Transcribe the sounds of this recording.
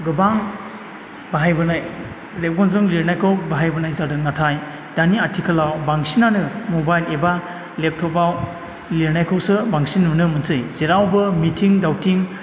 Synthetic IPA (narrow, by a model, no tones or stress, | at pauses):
ɡɯbaŋ | baɦajbɯnaj | lep̚ɡɔnzɯŋliɾnajkʰɯwbaɦajbɯnajzadɯŋnatʰaj | d̥aniatʰikʰɯlawbaŋsinanɯmobajleba | lep̚tʰɔpaw | liɾnajkʰɯwsɯbaŋsinnɯmɯnsɯjziɾawbɯmitʰiŋdawtʰiŋ